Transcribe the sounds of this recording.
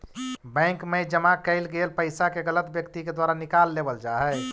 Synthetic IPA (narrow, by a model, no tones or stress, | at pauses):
bə̃ŋkmed͡ʒəmakəɪlɡelpəɪsakeɡələt̪bjəkt̪iked̪waɾanikalːebəld͡ʒaɦɛ